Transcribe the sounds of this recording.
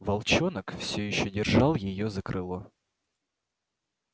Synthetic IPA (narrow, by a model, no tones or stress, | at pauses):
vɐlˠt͡ɕonəkfsʲɵjɪɕːodʲɪrʐɑlˠjɪjozəkɾʔɨlˠo